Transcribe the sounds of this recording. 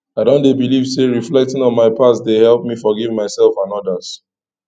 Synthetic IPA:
aɪdõndebiliv̥seɹiflɛk̚tɪ̃ŋɔ̃nmaɪpʰassdehɛlˠp̚mifɔɡivmaɪsɛlˠfãnɔdəz̥

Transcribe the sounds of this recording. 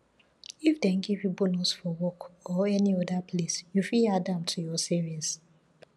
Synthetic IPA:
ifdɛ̃nɡivjubɔnusfɔwɔkɔɛniɔdapʰlesjufiadãmtʰujɔsiɹis

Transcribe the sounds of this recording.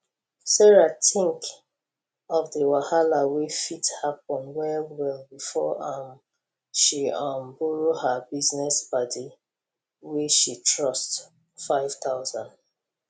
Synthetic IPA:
sɛɹatʰĩŋk | ɔfdəwahalawefithapɔ̃nwɛlwɛlbifɔʔãm | ʃiãmbuɹohabiznɛsbadi | weʃitɹɔst | faɪv̥taʊzãnd

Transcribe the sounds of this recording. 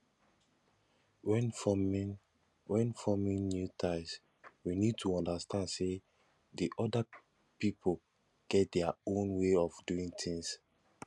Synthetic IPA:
wɛnfɔm | wɛ̃nfɔmĩŋnjutʰãɪs | winid̚tʰuɔ̃ndastʰãndse | diʔɔda | pipʰol | ɡ̥ɛt̚dɛaõnweɔfduĩŋt̪ĩŋs

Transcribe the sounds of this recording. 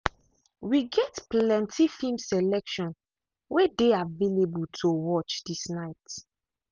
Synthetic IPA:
wiɡɛtplɛ̃ntʰifimsɛlɛkʃɔ̃n | wedeavelebultʰowɔt͡ʃdisnaɪt

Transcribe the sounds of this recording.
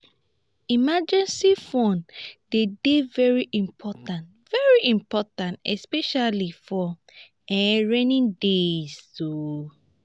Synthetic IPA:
imad͡ʒɛ̃nsifɔ̃ndedevɛɹiʔĩmpʰɔtãnt | vɛɹiʔĩmpɔtãntɛspɛʃalifɔ | ɛɹɛ̃nĩndezdo

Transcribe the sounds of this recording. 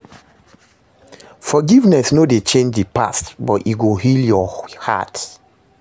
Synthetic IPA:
fɔɡivnɛsnodet͡ʃẽnd͡ʒdipa̰stbɔtiɡoɦiljɔha̰t

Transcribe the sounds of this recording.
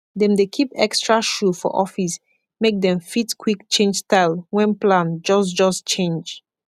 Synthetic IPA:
dɛ̃mdekʰipɛ̰kstɹaʃufɔ̰ʔɔfis | mek̚d̪ɛ̃mfitkʰwikt͡ʃẽnd͡ʒstaɪlwɛ̃nplãnd͡ʒɔsd͡ʒɔst͡ʃẽnd͡ʒ

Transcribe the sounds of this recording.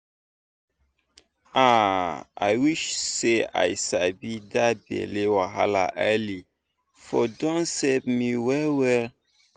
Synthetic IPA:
aa̰jwiʃsea̰jsabidabɛ̰lewaɦa̰la̰ʔajli | fɔdɔ̃nsɛpmiwɛlwɛl

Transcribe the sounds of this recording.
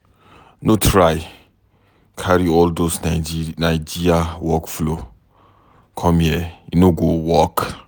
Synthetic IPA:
notʰɾaj | kʰaɾiɔldosnaɪd͡ʒiɾiawɔkflo | kʰɔmjɛinoɡowɔk

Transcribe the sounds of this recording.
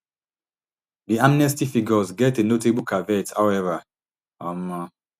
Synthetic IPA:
ðiãmnɛstifiɡɔzɡɛtenoteblkʰavɛthawɛva | ama

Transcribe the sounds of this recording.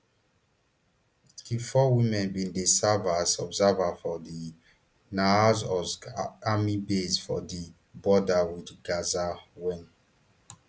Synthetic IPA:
kifɔwĩmɛ̃nbĩndesavasɔbzavafɔdi | naazɔsamibesfɔ̰di | bɔdawidɡazawɛ̃n

